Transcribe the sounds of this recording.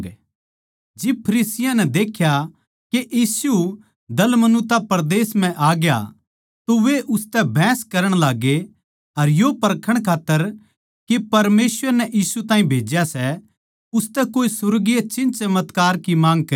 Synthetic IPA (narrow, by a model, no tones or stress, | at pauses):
d͡ʒɪb̚pʰɐɾiːsɪjãnɛd̪eːkʰja | keʔiːsu | d̪ɐlmɐnʊt̪apɐɾd̪eːsm̤ɛ̃ʔaːɡja̰ | t̪oʋeʔʊst̪ɛbʱɛ̃ːskɐɾəɽ̃laːɡe | ɐɾjopɐɾkʰəɽ̃kʰaːt̪ːəɾ | kepɐɾmeːsʋəɾnɛʔjiːsut̪ãːĩbʱeːd͡ʒjasɛ | ʊst̪ɛkoːisʊɾɡɪjat͡ʃɪ̃nt͡ʃɐmət̪kaːɾkimãːŋɡ̚kɐ